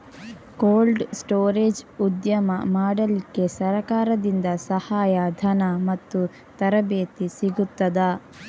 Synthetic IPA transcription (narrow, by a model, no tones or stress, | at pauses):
koːlɖsʈoːɾeːd͡ʒud̪jɐmɐmaːɽɐlikːe̞sɐɾɐkaːɾɐd̪ind̪ɐsɐhaːjɐd̪ʱɐnɐmɐt̪ːu | t̪ɐɾɐbeːt̪isiɡut̪ːɐd̪ɐ